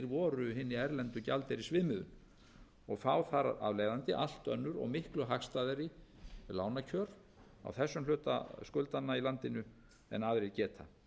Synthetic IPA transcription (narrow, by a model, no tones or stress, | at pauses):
ɾvɔːɾʏɦɪnːɪɛɾlɛnt̪ʏcalt̪ɪɾisvɪːmɪðʏ̰n | ɔɣθaːwθaɾa̰vleːjðant̪ɪʔal̥t̪œnːʏɾɔ̰ɣmɪhklʏɦaxst̪aːðaɾɪlaːwnacʰœːɾ | a̰wθɛsːʏmlʏːt̪a̰skʏlt̪anːailant̪ɪnʏ | ɛ̰naːðɾɪcɛːt̪ʰa